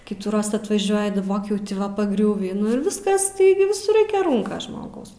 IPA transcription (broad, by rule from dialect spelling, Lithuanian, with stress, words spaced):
ˈkʲiːɪtuːˈroːs ɐtʋɐˈʒʲuɔjɪ dɐˈboːk jɛʊ tʲɪ ˈʋɐ pɐˈɡrʲuːʋʲiː nʊ ɪr ˈʋʲɪskɐs ˈtɐɪɡʲɪ ʋʲɪˈsʊr ˈrɐɪkʲɛ ˈruːŋkɐs ˈʒmoːɡɐʊs